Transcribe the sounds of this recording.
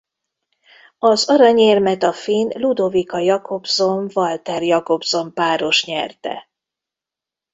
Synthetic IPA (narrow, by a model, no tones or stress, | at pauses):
ɒzɒɾɒɲeːrmɛt̪ɒfinlud̪ovikɒjɒkʰo̞bzo̞ɱvɒlt̪ɛrjɒko̞bz̥o̞mpaːɾo̞ʃɲɛrt̪ɛ̰